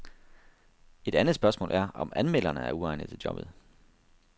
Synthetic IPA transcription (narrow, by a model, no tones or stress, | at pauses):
e̝d̥ænð̩ˠsb̥ɶɐsmɔ̰̽ːlʔæɐɒ̽mænmel̰ɐnəæɐuɑ̈ɪnəð̩ˠt͡sʰe̝ld͡ʑjɒ̽b̥ðˠ